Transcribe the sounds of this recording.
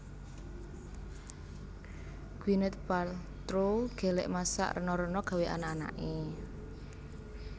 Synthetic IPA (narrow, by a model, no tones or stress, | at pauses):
ɡ̥winət̪̚pal | t̪ɾoɡ̥e̤lɛʔmasa̰ʔrənɔɾənɔɡ̥a̤weʔa̰nana̰ʔe